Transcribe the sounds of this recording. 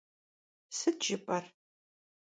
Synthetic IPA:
sɨdʒɪpʼɐr

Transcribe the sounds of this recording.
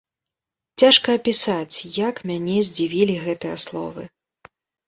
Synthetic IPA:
t͡sʲaʂkɐːpʲisat͡sʲjakmʲanʲɛzʲd͡zʲivʲilʲiɣɛt̪ɨjɐ̰slˠɔ̰vɨ

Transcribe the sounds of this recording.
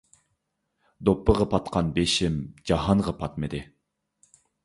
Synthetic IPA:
d̪opːəʁɑpʰɑt̪qʰɑnbeʃɪmd͡ʒɑɦɑɴʁɑpʰɑt̪mɨd̪ɪ

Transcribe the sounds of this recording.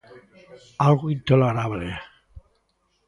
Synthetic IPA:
alɣoint̪oleɾaβle

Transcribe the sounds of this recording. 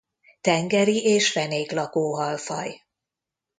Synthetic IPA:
t̪ɛŋɡɛɾiʔeːʃfɛneːklɒkoːɦɒlfɒ̰j

